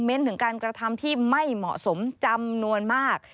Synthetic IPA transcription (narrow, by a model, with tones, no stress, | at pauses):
me˦˥nt̪ʰɯ˩˦ŋkaː˧nkɾa˧t̪ʰa˧mt̪ʰiː˥˩ma˥˩jmɔ̰˨˩ʔso˩˦mt͡ɕa˧mnu˧ənmaː˥˩k̚